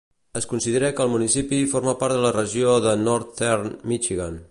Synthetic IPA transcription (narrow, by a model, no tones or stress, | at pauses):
əskunsiðəɾɛkəːlˠmunisipifoɾmapaɾt̪ðələrəʒioðənɔɾt̪ɛɾnmit͡ʃiɣan